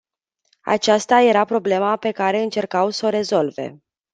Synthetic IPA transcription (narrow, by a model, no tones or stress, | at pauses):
a̰t͡ʃast̪aje̞ɾapɾo̞ble̞mape̞kaɾe̞ɨnt͡ʃe̞rkawso̞ɾe̞zo̞lve̞̰